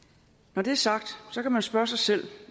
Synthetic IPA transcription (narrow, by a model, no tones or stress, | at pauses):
nɒd̥e̝æɐsɑ̈ɡ̥̚d̥sɒ̽kæmænsb̥ɶɐsɑ̈ɪsel̰